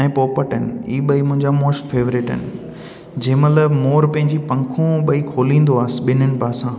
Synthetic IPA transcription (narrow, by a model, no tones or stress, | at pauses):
ẽpoːpəʈənɪ̆iːɓɐimʊ̃ɦɪ̃ɲd͡ʑamoːsʈfeːʋɾɪʈə̰nɪ̆ | d͡ʑɐ̃ːmələmoːɾpɐ̃ɦɪ̃ɲd͡ʑipɐ̃ŋkʰõɓɐikʰoːlĩːnd̪oaːsɪ̆ɓɪnɪnɪ̆paːsãː